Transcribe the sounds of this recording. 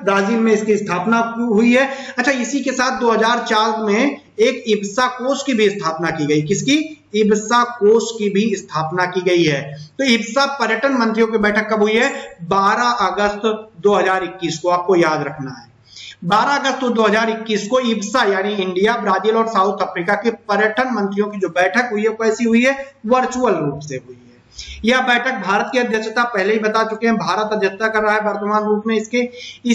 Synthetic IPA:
bɾaːziːlmẽɪskiɪst̪ʰaːpnaɦʊiɦɛ | ɐtːʃʰaɪsikesaːt̪̚ʰd̪oːɦɐzaːɾt͡ʃaːɾd̪mẽ | eːkɪbsakoːskibʱiɪst̪ʰaːpnakiɡɐikɪski | ɪbsakoːskibʱiɪst̪ʰaːpnakiɡɐiɦɛːt̪oːɪbsapɐɾjəʈənmɐ̃nt̪ɾijõkebɛːʈʰəkːɐbɦʊiɦɛbaːɾaʔɐɡəst̪d̪oːɦɐzaːɾɪkːiːskoaːp̚kojaːd̪ɾɐkʰnaɦɛː | baːɾaɐɡəst̪od̪oːɦəzaːɾɪkːiːskoɪbsajaːniɪ̃ɳɖijabɾaːd͡ʒiːlɔːɾsaːʊt̪ʰɐfɾiːkakipɐɾjəʈʰənmɐ̃nt̪ɾɪjõkid͡ʒoːbɛːʈʰəkɦʊiɦɛoɛːsiɦʊiɦɛʋɐɾt͡ʃuːəlɾuːpseɦʊiɦɛːjabɛːʈʰək̚bʱaːɾət̪kiɐd̪ʱjəkʃʰt̪apɛɦleɦibɐt̪at͡ʃʊkẽɦɛ̃bʱaːɾət̪ɐd̪ʱjət̪ːakɐɾːaɦaɦɛʋɐɾt̪əmaːnɾuːpmẽɪskeɪ

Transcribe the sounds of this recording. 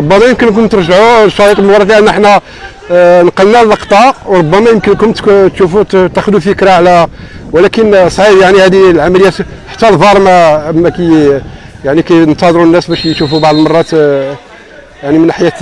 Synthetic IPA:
ɾˤobːæmæjəmkənk̬ʊnt̪əɾˤʒʕuʃːɑɾit̪ˤlmwɾˤɑt̪liʔænːʔəħnæ | nqɑlnælləqt̪ˤɑʔwɾˤobːæmæjəmkənkʊnt̪t̪ʃufut̪æxd̪ufikɾɑʕlæwlækənsˤʕibjaʕnihæd̪ilʕamæləjːæt̪ | ħḁt̪ːælvɑɾˤmæmækæj | jaʕnikæjnt̪ɑd̪ˤɾunːæsbæʃjʃufubɑʕd̪ˤlmɑrˤːɑt̪ | jaʕnimənħajæt̪

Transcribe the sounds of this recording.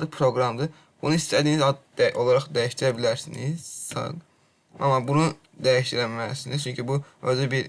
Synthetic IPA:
ɯkpʰɾo̞ɡɾɑmd̪ɯ | b̥unuist̪ʰæd̪iːnizɑo̞lˠɑɾɑχd̪æjiʃt̪iɾæbilæɾsiniz̥ɑ̰ɡ | ɑ̰mːɑbunu | d̪æjiʃt̪iɾæmæsiniz̥t͡ʃʰyɲcʰibuøzybiɾ

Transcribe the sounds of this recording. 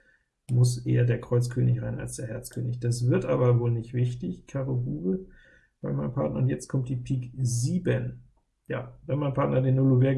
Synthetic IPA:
mʊsʔḛːɐdeːɐkʁ̥ɔʏt͡skʰøːnɪçʁaɪna̰lsd̥eːɐɦɛɐt͡skʰø̰ːnɪçd̥asv̥ɪɐtʔaːbɐvoːlnɪçtv̥ɪçtɪçkʰaːʁohuːbə | b̥aɪmaɪnənmpʰaɐtnɐ̰ʊntjɛt͡stkʰɔmt̚d̥iːpʰiːkziːbən | ja̰ːvɛnmaɪnpʰaɐtnɐdeːnːʊluveː

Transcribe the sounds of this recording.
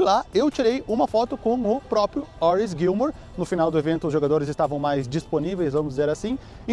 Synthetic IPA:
laewt͡ʃiɾejũmɐfɔt̪ʊkõw̃ʊpɾɔpɾjʊɔɾis̬ɡiwmoɾ | nʊfinawd̪ʊevẽnt̪ʊzʒoɡad̪oɾɪzɪst̪avɐ̃w̃majzd͡ʒisponivejzvɐ̃mʊzd͡ʒizeɾasĩ

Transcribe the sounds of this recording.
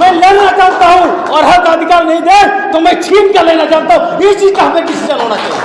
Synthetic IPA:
melenat͡ʃant̪aɦũ | ɔɾɦəmkaəd̪ʱikaɾnəĩd̪et̪ɔmẽt͡ʃʰipkelenat͡ʃant̪aɦũit͡ʃid͡ʒk̪aɦə̃meɖisʰid͡ʒənonat͡ʃa̰ɦ

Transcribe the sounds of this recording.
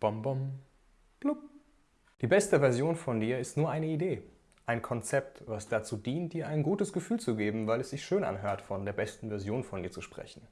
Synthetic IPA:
b̥ɔmbɔm | ɡ̥lʊp | d̥iːbɛstəvɛɐzjoːnfɔndiːɐɪstnuːɐʔaɪnəideː | ʔaɪnkʰɔnt͡sɛp̚tvasd̥at͡suːdiːnt̚d̥iːɐʔaɪnɡuːtəsɡ̥əfyːlt͡suɡeːbm̩vaɪlɛsz̥ɪçʃøːnʔa̰nɦøːɐtfɔndeːɐbɛstn̩vɛɐzjoːnfɔndiːɐt͡suʃpʁ̥ɛ̰çn̩

